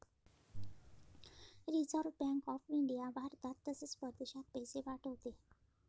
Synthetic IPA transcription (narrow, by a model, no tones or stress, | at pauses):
ɾizəɾʋbɛ̃ŋkɔfiɳɖijaʋaɾt̪at̪ːəsespəɾd̪eɕat̪̚peseʋaʈɦot̪e